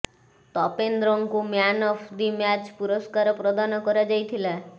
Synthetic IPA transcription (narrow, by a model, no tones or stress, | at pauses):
t̪ɔpend̪ɾɔŋkumjanɔpʰd̪imjad͡ʒpuɾɔskaɾɔpɾɔd̪anɔkɔɾad͡ʒajt̪ʰila